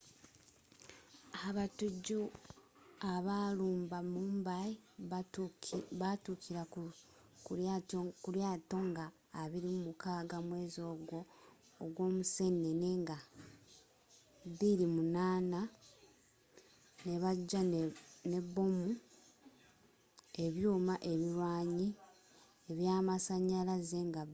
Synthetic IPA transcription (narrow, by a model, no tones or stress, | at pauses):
aβatuɟu | aβaluːmbamuːmbai | βatukʰiɾa | k | kuɾjaːto̞ŋɡaː | βiɾimumukaːɡamwe̞ːzo̞ːɡwo̞ː | ɡwo̞ːmuse̞nːene̞ŋɡa | βiɾimunaːna | ne̞βaɟːane̞βːo̞mu | e̞βjuːmaʔe̞βiɾwaːɲi | eβjaːmasaɲːalaze̞ŋɡa